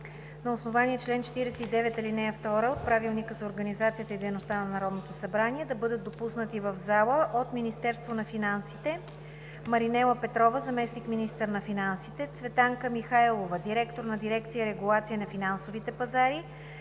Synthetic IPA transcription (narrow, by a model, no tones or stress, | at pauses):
nɐosnovaniɛt͡ʃlɛnt͡ʃɛ̥t̪iɾɛsɛid̪ɛvɛt̪ɐlinɛjəft̪ɔɾəot̪̚pɾavilˠnikəzɐoɾɡənizat̪sijət̪əid̪ɛjnost̪anɐnɐɾɔd̪not̪osɐbɾaniɛd̪ɐbɤd̪ət̪̚d̪opusnət̪ivəvzalˠəʔot̪minist̪ɛɾst̪vonɐfinansit̪ɛ | mɐɾinɛlˠəpɛt̪ɾɔvəzɐmɛsnikminist̪əɾnɐfinansit̪ɛt̪svɛt̪aŋkəmixajlˠovəd̪iɾɛkt̪oɾnɐd̪iɾɛkt̪sijəɾɛɡulˠat̪sijənɐfinansovit̪ɛpɐzaɾi